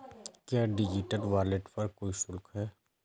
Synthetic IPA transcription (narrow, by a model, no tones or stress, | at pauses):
kjaːɖɪd͡ʒɪʈəlʋaːleʈpɐɾkoːisʊlkɦɛː